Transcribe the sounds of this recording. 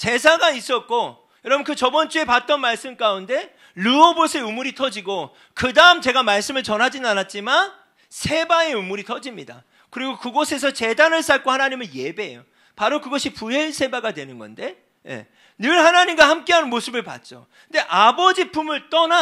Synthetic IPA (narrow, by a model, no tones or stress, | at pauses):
t͡ɕe̞sʰaɡais͈ʌt̚k͈o | jʌɾʌbɯnkɯt͡ɕʌbʌnt͡ɕ͈ue̞pat̚t͈ʌnmaɭs͈ɯmk͈aunde̞ | ɾuobosʰe̞umuɾitʰʌd͡ʑiɡo | kɯdaɯmt͡ɕe̞ɡamaɭs͈ɯmɯɭt͡ɕʌnɦad͡ʑinnanat̚t͡ɕ͈iman | sʰe̞bae̞umuɾitʰʌd͡ʑimɲida̰ | kɯɾiɡokɯɡosʰe̞s̬ʰʌt͡ɕe̞danɯɭs͈aɭ̚k͈ohanaɲimɯɭje̞be̞jo | paɾokɯɡʌɕʰipuɦe̞ɭsʰe̞baɡadwe̞nɯnɡʌ̰nde̞ | je̞̰ | nɯɭhanaɲimɡwahamk͈e̞ɦanɯnmosʰɯbɯɭpa̰t̚t͡ɕ͈o̰ | kɯnde̞ʔabʌd͡ʑipʰumɯɭt͈ʌna